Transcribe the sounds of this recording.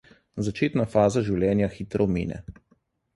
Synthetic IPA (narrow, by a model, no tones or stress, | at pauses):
zat͡ʃeːt̪nafaːzaʒiwljɛːnjaxiːt̪ɾɔmḭːnɛ̰